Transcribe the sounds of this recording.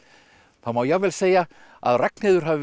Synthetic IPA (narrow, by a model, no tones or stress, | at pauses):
θamaːwjɛɣvɛːlseːja | a̰ðrɛk̚nɪːðʏɾ̥ɦavɪ